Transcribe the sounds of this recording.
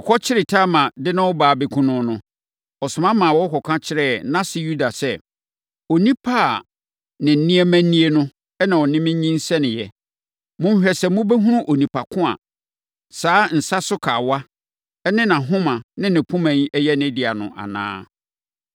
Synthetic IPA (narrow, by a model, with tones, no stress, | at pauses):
ɔ˨kʰɔ˦t͡ɕʰɪ˦ɾɪ˨tʰa˦mã˨dɪ˦nã˦wɔ˦baː˨˦bɪ˨kʰʊ̃˦nʊ̃˦nʊ̃˦ | ɔ˨sʊ̃˨mã˦mã˨wɔ˦kʰɔ˨kʰã˦t͡ɕʰɪ˦ɾɛː˦nã˦sɪ˦ju˦da˨sɛ˦˨ | o˨nĩ˦pʰa˦˨ | nɪ̃˨n̩˨˦nĩ˦ɛ˦mæ̃˦n̩˦nːĩ˦e˦nʊ̃˦ | ɛ˦nã˨ɔ˨nɪ̃˦mɪ̃˦ɲĩ˦n̩˦sɛ˦nɪ̃˨jɛ˨ | mʊ̃˦m˦ɕᶣɛ˨sɛ˨mʊ̃˦bɛ˦ɦũ˦ɾʊ̃˦ʔo˨nĩ˨pʰa˨kʰʊ̃˦a̰˨ | saː˨˦n̩˨sa˦sʊ˦kʰaː˨wa˦ | ɛ˦nɪ̃˦nã˨ɦʊ̃˦mã˨nɪ̃˦nɪ̃˨pʰʊ̃˦mæ̃˨ɲ˦ʔɛ˦jɛ˦nɪ̃˦dɪ˨a˨nʊ̰̃˨ʔa̰˨nã̰ː˦